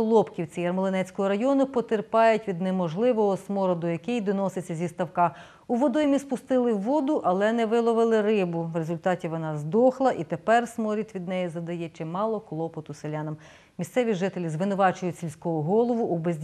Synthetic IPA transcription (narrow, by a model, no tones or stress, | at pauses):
lˠɔpkʲiwt͡sʲijɐrmɔlˠenɛt͡sʲkɔɦɔɾɐjɔnʊpɔt̪erpɑjʊtʲʋʲid̪nɛmɔʒlˠɪʋɔɦɔsmɔɾɔd̪ɔjɐkɪjd̪ɔnɔset͡sʲːɐzʲist̪ɐwkɑ | uʋɔd̪ɔjmʲispʊst̪ɪlˠɪwːɔd̪ʊʔɐlˠɛnɛʋɪlˠɔʋɪlˠɪɾɪbʊʋrezʊlʲt̪ɑtʲiʋɔnɑzd̪ɔxlˠɐʔit̪epɛrsmɔɾʲit̪ʲʋʲid̪nɛjizɐd̪ɐjɛt͡ʃɪmɑlˠɔklˠɔpɔt̪ʊselʲɑnɐm | mʲist̪sɛʋʲiʒɪt̪elʲizʋɪnʊʋɑt͡ʃʊjʊtʲsʲilʲsʲkɔɦɔɦɔlˠɔʋʊʔubezʲ